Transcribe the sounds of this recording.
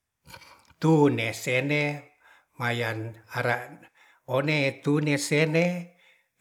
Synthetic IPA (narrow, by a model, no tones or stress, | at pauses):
t̪unesene | majanaɾaʔ | oneːt̪unesene